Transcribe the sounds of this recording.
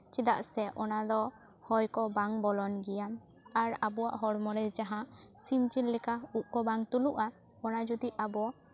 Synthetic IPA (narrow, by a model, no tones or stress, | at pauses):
t͡ʃid̪aʔsɛʔɔnad̪ɔ | hɔjkɔbaŋbɔlɔnɡijan | aɾabɔwa̰ʔɦɔɽmɔɾɛd͡ʒaɦãsint͡ʃilːɛkauʔ̚kɔbaŋt̪uluʔaɔnad͡ʒud̪iabɔ